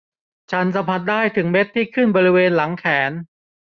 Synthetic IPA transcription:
t͡ɕʰa˦˥nsa˩˧˦mpʰa˧˥t̪̚daː˥˩jt̪ʰɯ˩˦ŋme˦˥t̪ʰːiː˥˩kʰɯ˥˩nbɔː˧ɾi˦˥weː˧nla˩˦ŋkʰɛː˩˦n

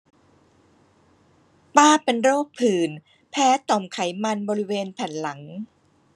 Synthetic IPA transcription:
paː˥˩pe˧nɾoː˥˩pʰɯː˨˩n | pʰɛː˦˥t̪ɔ˨˩mkʰa˩˦jma˧nbɔː˧ɾi˦˥weː˧npʰɛ˨˩nla˩˦ŋ

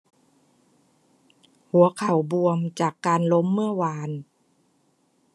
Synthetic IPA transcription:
hu˨˦ɐ˦kʰa˨˩wbu˧əmt͡ɕaː˨˩kːaː˧nlo˧˦˥mːɯ˥˩əwaː˧n

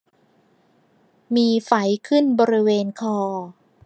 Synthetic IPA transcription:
miː˧fa˩˦jkʰɯ˥˩nbɔː˧ɾi˦˥weː˧nkʰɔː˧

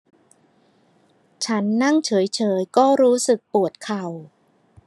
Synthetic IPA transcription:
t͡ɕʰa˦˥nːa˥˩ŋt͡ɕʰɤː˩˦jt͡ɕʰɤː˩˦jkɔː˥˩ɾuː˦˥sɯ˨˩k̚pu˨˩ət̪̚kʰa˨˩w

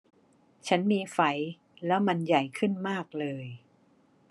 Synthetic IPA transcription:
t͡ɕʰa˦˥nmiː˧fa˨˦˥j | lɛ˦˥wma˧nja˨˩jkʰɯ˥˩nmaː˥˩k̚lɤː˧j

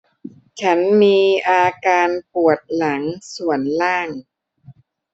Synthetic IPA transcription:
t͡ɕʰa˦˥nmiː˧ʔaː˧kaː˧npu˨˩ət̪̚la˩˦ŋsu˨˩ənlaː˥˩ŋ

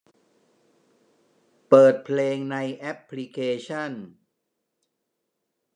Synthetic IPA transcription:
pɤː˨˩t̪̚pʰleː˧ŋna˧jʔɛ˦˥pʰːli˦˥kʰeː˧t͡ɕʰa˥˩n

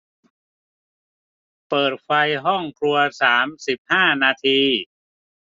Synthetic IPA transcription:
pɤː˨˩t̪̚fa˧jɦɔ˥˩ŋkʰɾu˧ɐsaː˩˦msi˨˩p̚haː˥˩naː˧t̪ʰiː˧

